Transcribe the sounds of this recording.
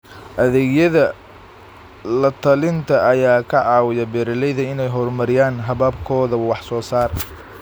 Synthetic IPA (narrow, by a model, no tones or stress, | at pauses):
ʔɐðɛːɡjɐðɐ | lɐt̪ʰɐlɪnt̪ʰɐʔɐjaːkʰɐʕɑːwɪjɐbɛːɾɐlɛjðɐɪnɛjɦɔrmɐɾɪjaːnɦɐβɐbkʰɔːðɐwɑħsɔːsaːr